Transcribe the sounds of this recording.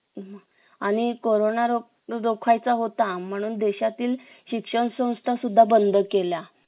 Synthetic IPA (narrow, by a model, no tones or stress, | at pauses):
ma | aɽ̃ikoɾonaɾo | ɾokʰajt͡saɦot̪am̤əɽ̃uːnd̪eɕat̪iːl | ɕikʂəɳsə̃w̃st̪ʰasud̪ʱːabənd̪ʱəkela